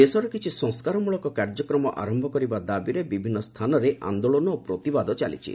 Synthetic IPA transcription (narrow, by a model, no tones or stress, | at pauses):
esɔɾɔkit͡ʃʰisɔ̃ŋskaɾɔmuɭɔkɔkaɾd͡ʒɔkɾɔmɔʔa̰ɾɔmbʱɔkɔɾibad̪abiɾebibʱinːɔst̪ʰanɔɾeʔa̰nd̪oɭɔnɔopɾot̪ibad̪ɔt͡ʃa̰lḭt͡ʃʰḭ